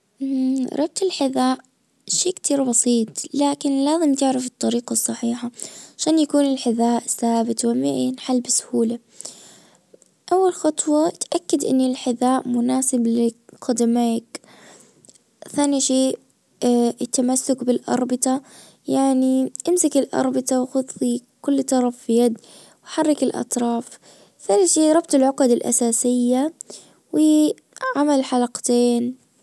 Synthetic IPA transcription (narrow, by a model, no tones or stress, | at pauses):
ʔɾˤɑb̚t̪ɪlħɪðaːʔ | ʃeːkt̪ʰiːɾbɑsˤiːt̪ˤlaːkɪnlaːzɪmt̪ɪʕɾafɨt̪ˤːɑɾiːqɑsˤːɑħiːħaʕaʃaːnjakuːnɪlħɪðaːʔsaːbɪt̪wɪmɪ̰ʔjanħalːbɪsʊ̥huːla | ʔawːalxɑt̪ˤwɑt̪ʔakːad̪ʔɪ̰nːɪlħɪðaːʔmʊnaːsɪblɪqɑd̪amaːk | θaːniʃeː | t̪ːamasːʊkbɪlʔɑ̰ɾˤbɪt̪ˤɑ | jaʕniʔɪmsakɪlʔɑ̰ɾˤbɪt̪ˤɑwxʊt̪ˤːi | kʊlːt̪ˤɑɾˤɑfːijad̪ | wħɑrˤːɪkɪlʔɑ̰t̪ˤɾˤɑːf | θaːniʃeːʔɾˤɑbt̪ˤɪlʕʊqɑd̪ɪlʔa̰saːsɪjːa | wɪ | ʕamalħalɑqt̪eːn